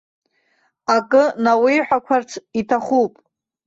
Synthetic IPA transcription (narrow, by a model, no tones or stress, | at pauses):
akʼɨnawijħʷᶣakʷʰart͡sʰitʰaχupʼ